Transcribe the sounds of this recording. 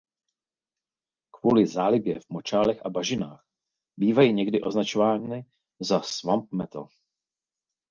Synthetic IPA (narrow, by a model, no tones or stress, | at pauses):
kvuːlɪzaːlɪbjɛvmo̞t͡ʃaːlɛxabaʒɪnaːx | biːvajiːɲɛɡdɪʔo̞znat͡ʃovaːnɪ | zasvamp̚mɛt̪o̰